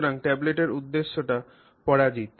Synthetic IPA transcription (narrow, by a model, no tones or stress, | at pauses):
ɾaŋʈɛbleʈeɾud̪ːeʃːoʈa | pɔɽad͡ʑit̪